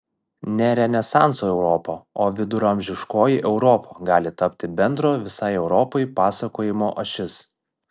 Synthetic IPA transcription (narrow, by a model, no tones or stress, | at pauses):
nʲɛɾʲɛnʲɛsɑːˑnsoːɛʊɾɔːpoːoːʋʲɪd̪ʊɾɐmʲʒʲɪʃkoːjɪʔɛʊɾɔːpʰoːɡɑːlʲɪt̪ɐpʲt̪ʲɪbʲɛnd̪ɾoːʋʲɪsɐɪɛʊɾɔːpɔɪpɑːsɐkoːjɪmoːʔɐʃʲɪs